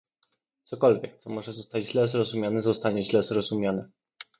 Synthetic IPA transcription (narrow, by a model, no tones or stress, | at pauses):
t̪sɔkɔlvʲjɛk̚t̪sɔmɔʐɛzɔst̪ad͡ʑʑlɛzɾɔzumʲjanɛzɔst̪aɲɛʑlɛzɾɔzumʲjanɛ